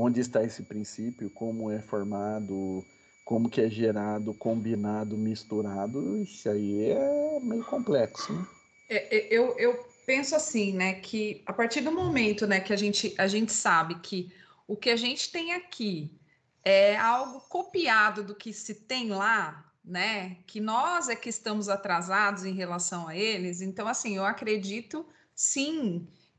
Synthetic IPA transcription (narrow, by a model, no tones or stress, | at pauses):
õnd͡ʒɪɪst̪aesɪpɾĩsipjʊkõmʊɛfoɾmad̪ʊ | kõmʊkɪɛʒeɾad̪ʊkõmbinad̪ʊmist̪uɾad̪ʊisɪaiɛɛmejʊkõmplɛksʊnɛ | ɛʔɛʔewewpẽsʊasĩnɛkʰɪapaɾt͡ʃiɾd̪ʊ̃momẽnt̪ʊnɛkɪaʒẽnt͡ʃɪʔaʒẽnt͡ʃɪ̥sabɪkʰɪ | ʊkɪaʒẽnt͡ʃɪ̥t̪ẽj̃akʰi | ɛawɡʊkopiad̪ʊd̪ʊkɪsɪt̪ẽj̃la | nɛkɪnɔzɛkɪːst̪ɐ̃mʊzat̪ɾazad̪ʊzẽj̃ɦelasɐ̃w̃aelɪzẽnt̪ɐ̃w̃asĩewakɾed͡ʒit̪ʊ | sĩ